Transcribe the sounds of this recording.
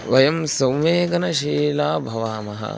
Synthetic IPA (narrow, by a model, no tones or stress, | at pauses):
ʋɐjɐmsɐwmeːɡɐnɐʃiːlaːbʱɐʋaːmɐɦɐ̰